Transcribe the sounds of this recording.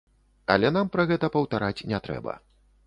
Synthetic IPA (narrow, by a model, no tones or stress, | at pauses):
ɐ̰lʲɛnampɾɐɣɛt̪ɐpɐwt̪aɾat͡sʲnʲɛt̪ɾɛ̰bɐ̰